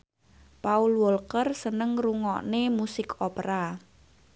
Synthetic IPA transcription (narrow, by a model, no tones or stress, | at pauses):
paulwɔlkərsənəŋruŋɔ̰ʔnemusɪkʰopəɾa